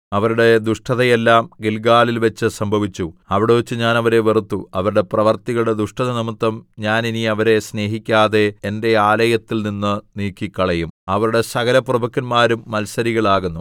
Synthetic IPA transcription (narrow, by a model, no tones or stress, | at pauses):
ɐʋɐɾuɽe̞d̪uʂʈɐðɐjelːaːmɡilɡaːlilʋɐt͡ɕːɨsɐmbʱɐʋit͡ɕːuɐʋiɽeʋet͡ɕːɨɲaːnɐʋɐɾeʋerut̪ːuɐʋɐɾuɽe̞prɐʋɐrt̪iɣɐɭɽe̞d̪uʂʈɐðɐnimut̪ːɐmɲaːniniɐʋɐɾe̞sne̞ːɦikʲːaːðe̞ːnde̞aːlɐjɐt̪ːilninːɨniːkːikːɐɭɐjumɐʋɐɾuɽe̞sɐɣɐlɐprɐbɐkːɐnmaːɾumːɐlsɐɾiɣɐɭaːɣunːu